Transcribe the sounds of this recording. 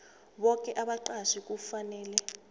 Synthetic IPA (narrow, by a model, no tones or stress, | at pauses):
ɓɔkʼɛʔaɓaǃaʃik̬ʼufanɛːlɛ